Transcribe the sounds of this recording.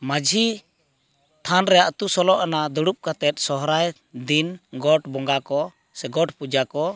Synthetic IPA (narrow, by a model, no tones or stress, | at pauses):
mad͡ʒʱi | t̪ʰanɾɛjaʔt̪usɔlɔʔanad̪ɔɽup̚kat̪ɛt̪̚ˀsɔɦɾaj | d̪inɡɔʈbɔŋɡakɔ | sɛɡɔʈpud͡ʒakɔ